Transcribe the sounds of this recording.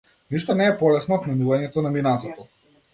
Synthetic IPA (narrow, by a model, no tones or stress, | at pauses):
niʃt̪ɔnɛːpɔlɛsnɔt̪mɛnuvaɲɛt̪ɔnaminat̪ɔt̪ɔ